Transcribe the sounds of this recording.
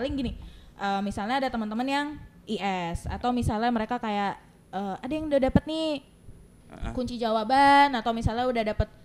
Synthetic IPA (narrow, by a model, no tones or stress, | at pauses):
lɪŋɡiniʔəːmisalɲaadat̪əmənt̪əmənjaŋʔiɛsa̰t̪awmisalɲaməɾekakajaʔ | əːadajaŋdadapət̪̚ni | kuɲt͡ʃid͡ʒawabanat̪awmisalɲaudahdapət̪̚